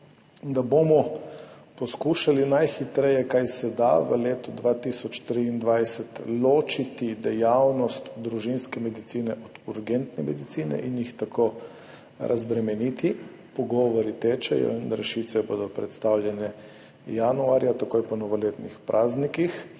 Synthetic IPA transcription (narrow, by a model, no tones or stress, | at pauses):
d̪aboːmɔ | pɔskuʃalinajxit̪ɾɛjɛkajsɛd̪a̰ʋə̰leːt̪ud̪ʋat̪isɔt͡ʃt̪ɾiːnd̪ʋajsɛt̪loːt͡ʃit̪id̪ɛjawnɔst̪d̪ɾuʒinskɛmɛd̪it̪siːnɛʔɔd̪̥uɾɡɛnt̪nɛmɛd̪it̪siːnɛ̰ʔinjixt̪akoː | ɾʔa̰zbɾɛmɛniːt̪i | pɔɡɔʋɔɾit̪eːt͡ʃɛ̰jɔ̰inɾɛʃiːt̪ʋɛboːd̪ɔpɾɛt̪st̪awljɛnɛ | januaɾjat̪akojpɔnɔʋɔleːt̪nixpɾʔaːznikix